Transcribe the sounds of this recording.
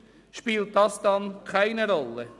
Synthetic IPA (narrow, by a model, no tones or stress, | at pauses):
ʃpilt̚dɑsd̥ɑnkʰaɪnəɾɔlːə